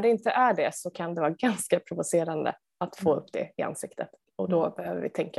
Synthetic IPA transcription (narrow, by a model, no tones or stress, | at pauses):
ɖɛɪnt̪əʔæɖɛsɔkʰand̪ɛvɑːɡanskapʰɾʊvʊseːɾand̪ə̰ | at̪foːɵpːd̪ɛ̰ɪa̰nsɪkt̪ʰət̪ | ɔd̪ɔbɛhøːvə̰vɪ̰t̪ʰɛŋka